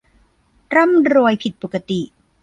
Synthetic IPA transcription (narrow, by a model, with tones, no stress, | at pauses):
ɾa˥˩˨mɾuː˧əjpʰi˨˩t̪̚po˨˩kːa˧t̪i˨˩ʔ